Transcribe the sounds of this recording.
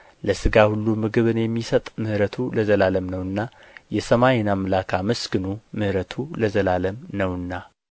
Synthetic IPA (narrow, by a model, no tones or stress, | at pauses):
ləsɨɡahulːumɨɡɨβɨnjɛmːisət̪ʼmɨhɾət̪ʰuləzəlaləmnəwɨnːa | jɛsəmajɪnamlakʰaməsɡɨnumɨhɾət̪ʰuləzəlaləmnəwɨnːa